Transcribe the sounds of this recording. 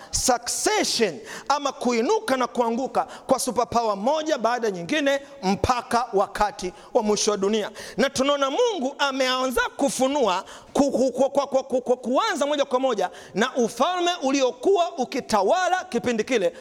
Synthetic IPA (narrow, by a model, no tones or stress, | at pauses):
saksɛʃɔnamakuinukanakuaŋɡukakwasupapawamɔʄaɓaːɗaɲiŋɡinɛ | m̩pʰakawakʰati | wamwiʃɔwaɗunianatunaɔnamuŋɡuʔamɛanzakufunua | kukkwakwakkakuanzamɔʄakwamɔʄa | naʔufalmɛʔuliɔkuwaʔukitawalakipindikilɛ